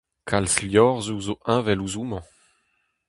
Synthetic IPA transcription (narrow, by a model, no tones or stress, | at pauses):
kʰalsljɔʁzuzoʔɛ̃vɛluzumɑ̃